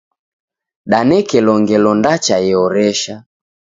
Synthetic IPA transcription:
ɗanɛkɛlɔŋɡɛlɔndat͡ʃajɛɔɾɛʃa

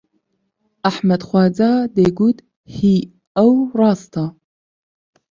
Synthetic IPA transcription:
aħmɐd̪χʷɑːd͡zad̪eːɡud̪ | hi | ɐwrɑːst̪ʰa

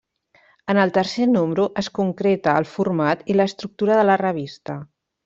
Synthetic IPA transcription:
ənəlˠt̪ərsenumbɾuʔəskuŋkɾet̪əːlˠfurmat̪iləːst̪ɾuk̚t̪uɾəðələrəβ̞ist̪ə

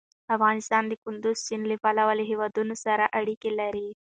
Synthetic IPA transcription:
ɐfɣaːnist̪ɑːnd̪ikund̪ust͡ʃinlifalɐʋɐliɦiʋɐd̪unusɐɾɐʔɐɽikilɐɾi

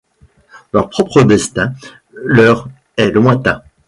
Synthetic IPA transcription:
lœʁpχɔpχəd̪ɛst̪ɛ̃ | lœʁ | ɛləmwɛ̃t̪ɛ̃

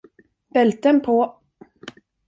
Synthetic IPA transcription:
b̥ɛlt̪ənpʰo

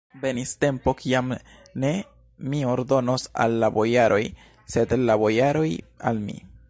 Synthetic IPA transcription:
ve̞niste̞mpo̞kʰiam | ne̞ | mio̞ɾdo̞no̞sa̰lːabo̞jaɾʔo̞j | se̞dlabo̞jaɾo̞ja̰lmḭ

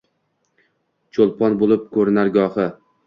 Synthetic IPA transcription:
t͡ʃʰolˠpʰɒnbolˠɪp̚kʰɵɾnaɾɡɒhɪ

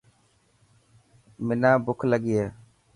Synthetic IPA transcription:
mɪnãːbʊkʰləɠijeː

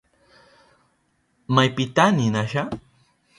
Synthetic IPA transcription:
majpɪt̪aninaʃa

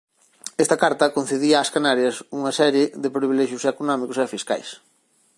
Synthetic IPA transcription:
est̪ɐkaɾt̪ɐkon̟θeðiɐaːskanaɾjɐsuŋɐsɛɾjeðepɾiβilɛʃjʊsekonɔmikosefiska̰js

